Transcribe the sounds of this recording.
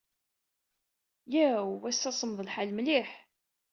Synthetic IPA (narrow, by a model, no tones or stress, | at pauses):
jæwæsːæsˤəmðˤəlħalmliħ